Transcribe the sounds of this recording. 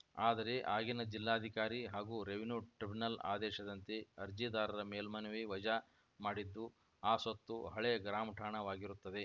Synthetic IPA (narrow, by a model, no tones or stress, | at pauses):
aːd̪ɐɾe̞ʔaːɡinɐd͡ʒilːaːd̪ʱikaːɾiɦaːɡuːɾeʋinuːʈɾibinɐla̰ːd̪ɛːʃɐd̪ɐnt̪eɐɾd͡ʒid̪aːɾɐɾɐmeːlmɐnɐʋiʋɐd͡ʒa | maːɽid̪ːu | aːsɐt̪ːuɦɐɭeɐɡɾaːmʈʰaːɳɐʋaːɡiɾut̪ːɐd̪e̞